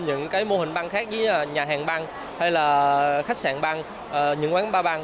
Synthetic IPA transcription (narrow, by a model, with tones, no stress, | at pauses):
ɲɨ̰˧˥ŋkaː˨˦jmo˧hï˨˩ŋ̟ɓa˧ŋxaː˦˥k̚zɨ˨˦˨ɲaː˨˩ɦaː˨˩ŋɓa˧ŋ | ha˧jlaː˨˩xa˦˥k̚saː˧˩nɓa˧ŋ | ʔə˨˩ɲɨ̰˧˥ŋkwaː˨˦nɓaː˧ɓa˧ŋ